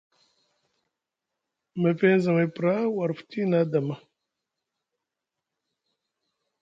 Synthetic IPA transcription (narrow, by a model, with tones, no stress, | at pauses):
mə˨fe˦n˦za˨me˨pɾa˦wa˨ɾfu̥˨t̪ʰi˦na˦d̪a˨ma˦